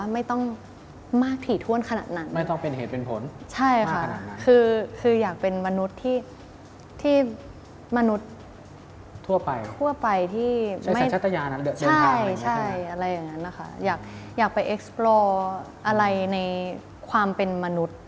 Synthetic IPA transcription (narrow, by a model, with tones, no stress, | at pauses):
ma˥˩jt̪ɔ˥˩ŋ | maː˥˩k̚t̪ʰiː˨˩t̪ʰu˥˩ənkʰa˧na̰˨˩t̪̚na˦˥nma˥˩jt̪ɔ˥˩pe˧nheː˨˩t̪̚pe˧npʰo˩˦nt͡ɕʰa˥˩jkʰa˦˥˩kʰɯː˧kʰɯː˧jaː˨˩k̚pe˧nma˧nu˦˥t̪ʰːiː˥˩ | t̪ʰiː˥˩ | ma˧nu˦˥t̪̚ | u˥˩ɐpa˧jt̪ʰːu˥˩ɐpa˧jt̪ʰiː˥˩˥ma˥a˦˩jt͡ɕʰːa˦˥t̪ʰːa˧jaː˧na˦˥dɯ˧˩t͡ɕːʰa˧˥a˩jt͡ɕʰa˥˩jʔa˧ɾa˧jːa˨˩ŋːa˦˥nːa˦˥kʰa̰˦˥jaː˨˩k̚jaː˨˩k̚pa˧jʔe˦˥k̚splɔː˧ | ʔa˧ɾa˧jna˧j | kʰwaː˧mpe˧nma˧nu˦˥t̪̚